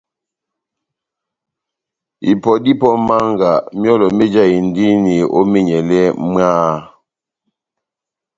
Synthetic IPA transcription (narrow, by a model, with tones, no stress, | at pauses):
ḭ˨pɔ˨di˦pɔ˦ma˦ŋɡa˨mjɔ˦lɔ˨me˦d͡ʒa˦˨i˨n̩˨di˦ni˨o̰˦me˦ɲɛ˨lɛ˦mɰaː˦